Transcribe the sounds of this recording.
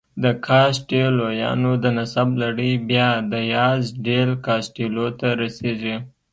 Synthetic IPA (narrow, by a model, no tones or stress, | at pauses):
d̪əkʰɑsʈelojɑ̰nod̪ənasablaɽəjbjɑd̪əjɑzɖelkɑsʈelot̪aɾaseʒi